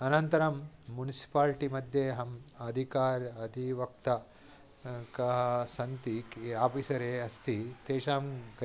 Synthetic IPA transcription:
ɐnɐnt̪ɐɾɐmː | unisi̥paːlʈimɐd̪ʱjeɦɐmɐd̪ʱikaːɾɐd̪ʱiʋɐkt̪ɐ | kɐɦɐsɐnt̪ikaːpisɐɾeːɐst̪ʰit̪eːʃaːmɡ

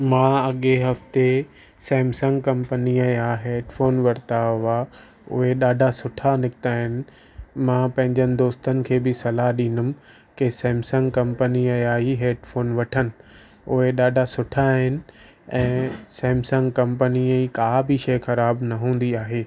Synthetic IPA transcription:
mãːɐɠeɦɐft̪e | sɛːmsɐ̃ŋɡkɐ̃mpəniəaːɦeːɖfoːnʋɐɾt̪aʊʋa | ʊ̰ɦeɗaːɖʱasʊʈʰanɪkɪt̪aːɦɪnɪ̆ | mãːpɐ̃ɦɪ̃ɲd͡ʑənɪ̆d̪oːst̪ənɪ̆kʰeːbɪsɐlaɦɗĩːnʊm̆ | kesɛːmsə̃ŋɡkɐ̃mpəniəaːɦiɦeːɖfoːnʋɐʈʰənɪ̆ | ʊɦeɗaːɖʱasʊʈʰaɦɪnɪ̆ | ɛ̃ːsɛːmsɐ̃ŋɡkɐ̃mpəniəikaːbʱiʃɐjxɐɾaːbnɐɦũːn̆d̪iaːɦeː

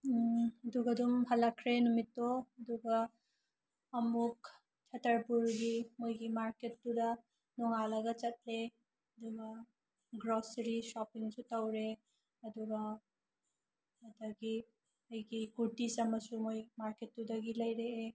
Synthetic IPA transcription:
ɐduɡɐdumhɐlɐkʰɾenumitːoɐduɡa | muk | t͡ʃʰatʰɐɾpuɾɡimojɡimaɾket̚ːudɐ | nɔŋalaɡɐt͡ʃɐt̚le | ɐduɡa | ɡɾɔsɾisɔpiŋsutawɾe | ɐduɡa | ɐdɐɡi | ɐjɡiɡuɾtisɐmɐsumojmaɾket̚ːudɐɡilɐjɾee

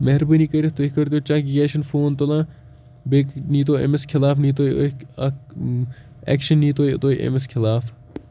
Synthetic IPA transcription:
meɦɾbəniːkəɾit̪oːkɐɾd̪joːt͡ʃãːkiɡeːʃɐnfʰoːnt̪olãː | beːkniːt̪̬oːḛmeskʰɪlaːfniːt̪oːio | ɛ̰ːkʃɐnːiːt̪oːjt̪oːiʔḛmeskʰɪlaːf

